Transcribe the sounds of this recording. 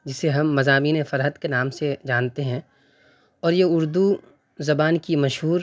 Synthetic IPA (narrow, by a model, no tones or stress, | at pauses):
d͡ʒɪseɦɐmːɐzaːmiːnefɐɾɦət̪kenaːmsed͡ʒaːnt̪eɦɛ̃ | ɔːɾjeʊɾd̪u | zɐbaːnkimɐʃɦuːɾ